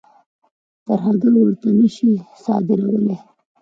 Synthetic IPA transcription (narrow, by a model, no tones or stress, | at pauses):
t̪aɾɦaɡaɾwəɾt̪anəʃisɑ̰d̪ɪɾawəle